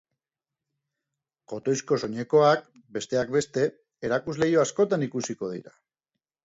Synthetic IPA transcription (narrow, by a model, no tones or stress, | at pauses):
ko̞t̪o̞jsko̞so̞ɲe̞ko̞ak̚ | be̞st̪e̞akbe̞st̪e̞ | eɾakuzle̞jo̞asko̞t̪anikusiko̞ð̞ḭɾa